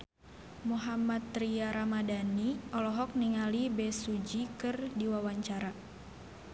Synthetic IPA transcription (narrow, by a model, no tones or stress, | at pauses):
muɦamat̪ːɾiaɾamadaniɔlɔɦɔk̚niŋalibɛsud͡ʒikɨrdiwawaɲt͡ʃaɾa